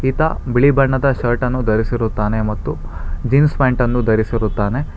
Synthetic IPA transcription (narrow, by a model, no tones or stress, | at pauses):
it̪ɐ̰biɭibɐɳːɐd̪ɐʃɐɾʈɐnːud̪ɐɾisiɾut̪ːaːne̞mɐt̪ːud͡ʒiːnspaːɳʈɐnːud̪ɐɾisiɾut̪ːaːne̞